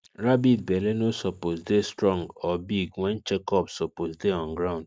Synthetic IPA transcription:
ɾabid̚belenosoposdestɾɔ̃ŋɡɔbiɡwɛ̃nt͡ʃekɔpsoposdeɔ̃ŋɡɾaʊ̃nd̥

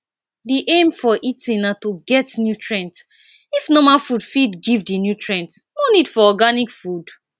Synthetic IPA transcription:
diʔẽmfɔʔitĩnnatoɡɛtnjutɹɛ̃nt | ifnɔmalfudfidɡivdinjutʰɹɛ̃ntnɔ̃nidfɔɔɡanikfud

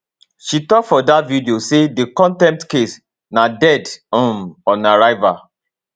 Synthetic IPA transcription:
ʃitɔkfɔdatvidiosedekɔ̃ntɛ̃mtkes | nadɛdõmɔnaɹaɪva

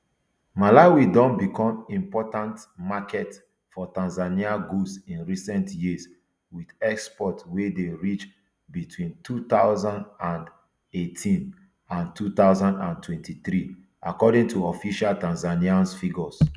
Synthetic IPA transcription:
malawidɔ̃nbikɔ̃mĩmpɔtãntmakʰɛt | fɔtãnzaniaɡusĩnɹisɛ̃ntjis | widɛkspɔtwedeɹit͡ʃ | bitʰwĩntʰut̪aʊzãndãnd | etʰĩn | ãntʰut̪aʊzãndãntwɛ̃ntʰiθɹi | ʔakɔdĩŋtʰuɔfiʃaltãnzaniãnsfiɡɔs

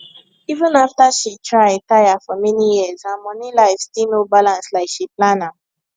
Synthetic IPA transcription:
ivə̃naftaʃitʰɹaɪtaɪafɔmɛnijiəzãmɔnilaɪfstinobalãnslaɪkʃiplãna

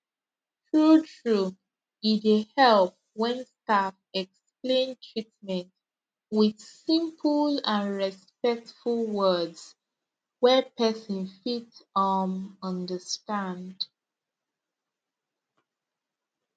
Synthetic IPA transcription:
tʰɹutʰɹu | idehɛlp̚ | wɛ̃nstafɛksplẽntʰɹitmɛ̃nt | wɪð̥sĩmpʰəlãnɹɛspɛk̚tfulˠwɜdz̥ | wɛpʰɛsə̃nfitəmʌ̃ndəstãnd

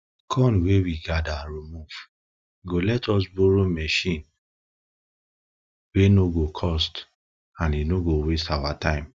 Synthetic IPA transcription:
kʰɔ̃nwewiɡadaɹimuv̥ | ɡolɛtʰɔs̬boɹomɛʃĩn | wenoɡokʰɔst | ãninoɡowestawatãɪ̃m

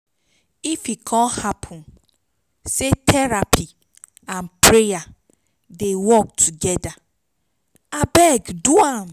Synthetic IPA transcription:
ifikʰɔ̃nhapʰɔ̃n | setʰɛɾapʰi | ãnpɾeja | dewɔk̚tʰuɡɛda | abɛɡduam

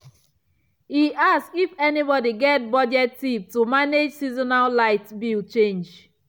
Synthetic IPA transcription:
hiʔaksifɛnibɔdiɡɛt̚bɔd͡ʒɛtːip̚tumaned͡ʒsizɔnallaɪtbilt͡ʃẽnd͡ʒ

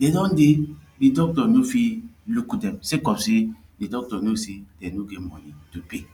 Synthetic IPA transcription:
dedɔ̃ndedidɔk̚tɔnofilukudɛmsekɔpsedidɔk̚tɔnosedɛnoɡemɔnitupe

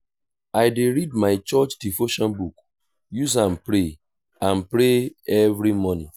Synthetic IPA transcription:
aɪdeɾid̚maɪt͡ʃɔt͡ʃdifoʃɔ̃nbuk | juzãnpɾe | ãnpɾeɛvɾimɔnĩ

